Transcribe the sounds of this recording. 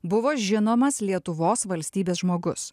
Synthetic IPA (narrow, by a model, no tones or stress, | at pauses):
bʊʋoːʒʲɪnoːmɐslʲiɛt̪ʊʋoːsʋɐlʲsʲt̪ʲiːbʲeːsʒmoːɡʊ̰s